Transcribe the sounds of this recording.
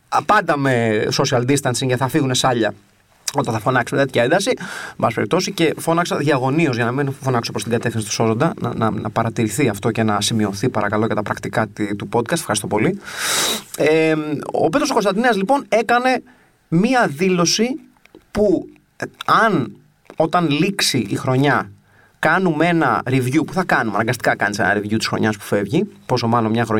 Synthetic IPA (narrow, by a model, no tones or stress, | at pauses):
pɐnd̪ɐme̞so̞siɐld̪ist̪ɐnsiŋeθɐfiɣune̞sɐʎɐ | o̞t̪ɐθɐfo̞nɐksumet̪et̪ʰçɐend̪ɐsibɐspeɾip̚t̪o̞sice̞fo̞nɐksɐðʝɐɣo̞niozʝɐnɐminfo̞nɐksopɾost̪iɡɐt̪e̞fθinsit̪uso̞zo̞nd̪ɐnɐ̰nɐ̰nɐpɐɾɐt̪iɾiθiɐft̪o̞ce̞nɐsimio̞θipɐɾɐkɐloʝɐt̪ɐpɾɐkt̪ikɐt̪t̪upo̞d̪̚kɐst̪e̥xɐɾist̪o̞po̞li | eo̰pt̪ɾosoko̞st̪ɐnd̪ineɐzlipo̞ne̞kɐne̞ | miɐðilo̞si | pu | ɐn | o̞t̪ɐnliksiʔixɾo̞ɲɐ | kɐnume̞nɐ̰ɾivʝupuθɐkɐnumɐnɐŋɡɐst̪ikɐkɐnise̞̰nɐ̰ɾivʝut̪isxɾo̞̰ɲɐspu̥fe̞vʝipo̞so̞mɐlomɲɐxɾo